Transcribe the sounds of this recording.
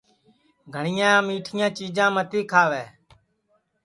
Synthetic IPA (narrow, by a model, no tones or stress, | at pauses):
ɡʱəɳɪjãːmiːʈʰɪjãːt͡ʃiːd͡ʒãːmət̪iːkʰaːʋɛː